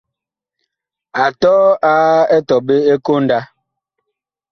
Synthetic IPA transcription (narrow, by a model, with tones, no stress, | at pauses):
a˨tɔː˦a˦ɛ˦tɔ˨be˦e˦ko˦n̩˦da˦